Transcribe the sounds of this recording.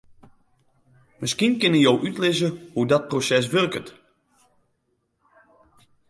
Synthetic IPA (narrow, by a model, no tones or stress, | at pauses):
məskinkɪnəjowʔytlɪzəhudɔt̚prosɛs̬ʋørkət